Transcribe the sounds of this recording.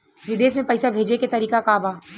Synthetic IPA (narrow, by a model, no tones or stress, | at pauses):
ʋɪd̪eːsmẽpɐjsabʱeːd͡ʒeket̪ɐɾiːkakaːbaː